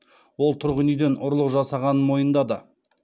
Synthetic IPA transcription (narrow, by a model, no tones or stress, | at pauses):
wo̞lˠt̪ʰʊɾʁənijd̪e̞nʊɾlˠəqʒɑsɑʁɑnənmo̞jənd̪ɑd̪ə